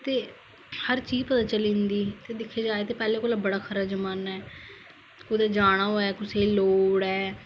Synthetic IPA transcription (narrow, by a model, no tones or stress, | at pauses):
t̪eː | həɾt͡ʃiːzpət̪aːt͡ʃəlĩːnd̪iːt̪eːd̪ɪkʰːeːd͡ʒaːeːt̪eːpɛːleːkoːlabəɽaːkʰəɾaːd͡ʒəmaːnɛː | kʊd̪ɛːd͡ʒaːɽ̃aːɦoːɛːkʊseːloːɽɛː